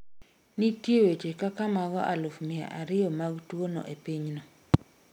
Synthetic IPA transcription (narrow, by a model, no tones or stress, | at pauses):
nitjewet͡ʃekakamaɡɔʔalʊfmɪa̰ʔaɾɪɔmaɡtwonɔ̰ʔepiɲnɔ